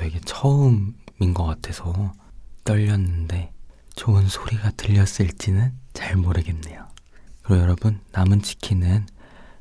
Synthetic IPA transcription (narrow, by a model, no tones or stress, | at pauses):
eɡet͡ɕʰʌɯminɡʌkatʰe̞sʰʌt͈ʌʎːʌnːɯnde̞ | t͡ɕoɯnsʰoɾiɡatɯʎːʌs͈ɯɭt͡ɕ͈inɯnt͡ɕaɭmoɾɯɡenne̞jokɯɾʌjʌɾʌbɯnːamɯnt͡ɕi̥kʰinɯn